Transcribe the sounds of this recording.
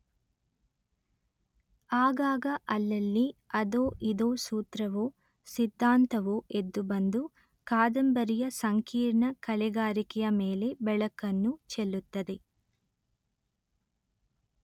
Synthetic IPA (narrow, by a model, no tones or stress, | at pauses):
aːɡaːɡɐʔɐlːɐlːiɐd̪oːʔid̪oːsuːt̪ɾɐʋoː | sid̪ʱːaːnt̪ɐʋoːʔed̪ːubɐnd̪u | kaːd̪ɐmbɐɾijɐsɐŋkiːɾɳɐkɐlɛɡaːɾikɛjɐmeːle̞bɛɭɐkːɐnːut͡ʃelːut̪ːɐd̪e̞